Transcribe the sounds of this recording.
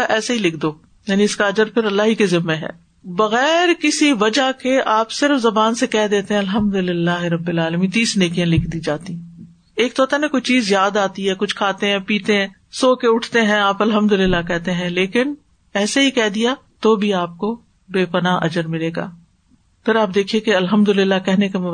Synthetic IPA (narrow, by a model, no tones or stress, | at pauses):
ʔɛːsaɦilɪkʰd̪oː | jaːniɪskaɐd͡ʒəɾpʰɪɾɐlːaːɦikezɪmːeɦɛ̰ː | bɐɣɛːɾkɪsiʋɐd͡ʒakeʔaːpsɪɾəfzɐbaːnsekɛɦd̪eːt̪ẽɦɛ̃ɐlɦəmd̪ʊlɪlːaːɦɾɐbːɪlaːləmĩːnt̪iːsneːkijãlɪkʰd̪iːd͡ʒaːt̪i | eːk̚t̪ɔːt̪anẽkoit͡ʃiːzːjaːd̪aːt̪iɦɛkʊt͡ʃʰkʰaːt̪eɦɛ̃piːt̪eɦɛ̃ | soːkeʊʈʰt̪eɦɛ̃aːpɐlɦəmd̪ʊlɪlːakɛɦt̪eɦɛ̃leːkɪn | ɛːsaɦikɛɦd̪ijat̪oːbʱiaːp̚ko | beːpɐnaʔɐ̰d͡ʒəɾmɪleːɡa̰ː | pʰɪɾaːp̚d̪eːkʰiẽkeɐlɦəmd̪ʊlɪlːakɛɦnekem